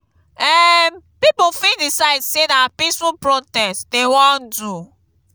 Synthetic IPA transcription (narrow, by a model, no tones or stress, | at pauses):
ɛmpipofĩdisaɪdsenaapisũpɹɔtɛstdewɔ̃ndu